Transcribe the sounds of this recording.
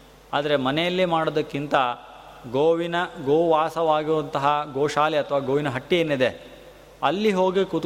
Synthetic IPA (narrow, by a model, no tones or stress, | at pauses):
aːd̪ɐɾemɐnejɐlːimaːɽod̪ɐkːint̪ɐ | ɡoːʋinɐɡoːʋaːsɐʋaːɡiʋɐnt̪ɐɦɐɡoːʂaːliɐt̪ʰɐʋaːɡoːʋinɐɦɐʈːijeːnːid̪e̞ | ɐlːiɦo̞ːɡekut̪